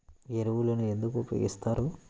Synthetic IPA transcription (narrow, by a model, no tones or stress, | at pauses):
eɾuʋuloːnuend̪ukuupjo̰ɡist̪aːɾu